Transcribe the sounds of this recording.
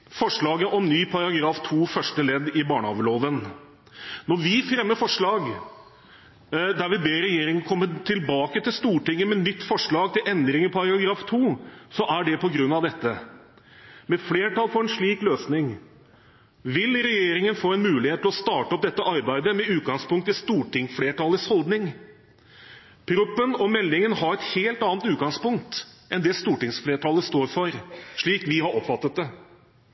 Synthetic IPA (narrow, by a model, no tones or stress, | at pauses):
fɔʂɭɑːɡəʔɔmnyːpʰɑɾɑɡɾɑːft̪ʰuːfœʂʈəlɛd̪ɪbɑːɳəɑ̰ːʋəloːʋən | nɔɾʋɪfɾɛmːəfɔʂɭɑːɡ | d̪æɾʋɪbeːɾɛjeːɾɪŋən̩kʰɔmːət̪ʰɪlbɑːkət̪ɪlst̪uːʈɪŋːəmɛnːʏt̪ːfɔʂɭɑːɡ̚t̪ɪlʔɛnd̪ɾɪŋəpʰɑɾɑɡɾɑːft̪ʰuːsɔʔæɖɛpɔɡɾʉnːɑʋd̪ɛt̪ːə | mɛfleːʈɑlfoːɾɛnʂɭiːkløːsnɪŋ | ʋɪlɾɛjeːɾɪŋənfoːɛnmʉːlɪheːt̪ːɪlɔst̪ɑːʈəɔp̚d̪ɛt̪ːəʔɑɾbæɪd̪əmɛʉːt̪̚ɡɑŋspʊŋkt̪ːɪst̪uːʈɪŋsfleːʈɑləshɔld̪nɪŋ | pʰɾʊpːənɔmɛlːɪŋənhɑːɛt̪heːlt̪ɑːnt̪ʉːt̪̚ɡɑŋspʊŋk̚t̪ʔɛnd̪ɛst̪uːʈɪŋsfleːʈʰɑːləst̪oːɾfɔɾʂɭiːkʋɪhɑɾɔpfɑt̪ːət̪̚d̪ɛ